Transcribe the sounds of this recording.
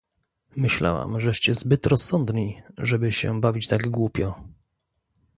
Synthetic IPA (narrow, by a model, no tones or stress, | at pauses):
mɘɕla̰wa̰mʐɛʂt͡ɕɛzbɘt̪ɾɔsːɔnd̪ɲiʐɛbɘɕɛ̰bavʲit͡ɕt̪aɡɡwupʲjɔ